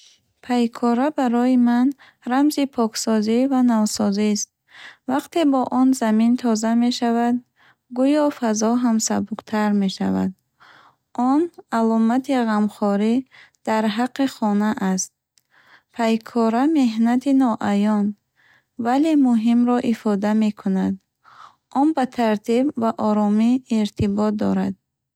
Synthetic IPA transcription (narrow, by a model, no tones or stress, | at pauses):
pʰajkʰɔɾabaɾɔjiman | ɾamzipʰɔksɔzivanavsɔzist̪̚ | vaqt̪ʰe̞bɔʔɔnzamint̪ʰɔzame̞ʃavad̪ | ɡujɔfazɔɦamsabuqt̪ʰaɾme̞ʃa̰va̰d̪ | ʔɔnalɔmat̪ʰiʁamχɔɾid̪̥aɾɦaqːiχɔnaʔast̪̚ | pʰajkʰɔɾame̞ɦnat̪ʰinɔʔajɔn | vale̞muɦimɾɔʔifɔd̪ame̞kʰunad̪ | ʔɔnbat̪ʰaɾt̪ʰibvaʔɔɾɔmiːɾt̪ʰibɔt̪̚d̪ɔɾad̪̥̚